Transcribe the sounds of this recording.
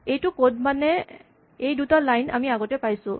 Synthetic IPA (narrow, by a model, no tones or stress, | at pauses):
ejtʊkod̚manɛ | ejdutalajna̰miaɡɔtɛpajsʊ̰̃